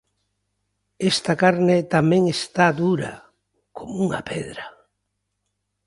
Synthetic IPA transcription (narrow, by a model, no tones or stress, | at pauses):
est̪akaɾnɪt̪amẽŋest̪ad̪uɾa̰ | komuŋa̰pʰeðɾa